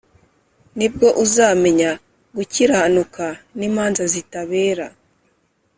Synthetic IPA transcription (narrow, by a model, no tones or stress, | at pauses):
nib̚ɡo̞ʔuzaːme̞ɲa | ɡuciɾahanukaniːmaːnzazitaβe̞ːɾa